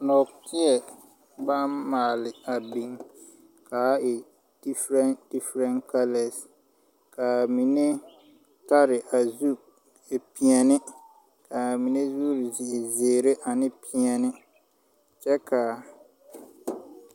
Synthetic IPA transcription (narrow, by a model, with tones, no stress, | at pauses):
nɔ˨ktʰɪ˦ɛ˨ | ba˦mmaː˨lɪ˨a˨bi˨ŋ | ka˨˦ɛ˨ | d̥i˦fɾɛ˦nd̥i˦fɾɛ˦nka˦lɛ˨s | ka˨mi˨ne˦ | ta˦ɾɪ˨ʔa˨zu˦ | e˨pi˨ɛ˨nɪ˦ | ka˨mi˨ne˦zuː˦ɾɪ˨zɪ˨ʔɪ˨zeː˨ɾe˦ʔa˨nɪ˦pʰi˨ɛ˨nɪ˦ | t͡ʃɛ˦ka˨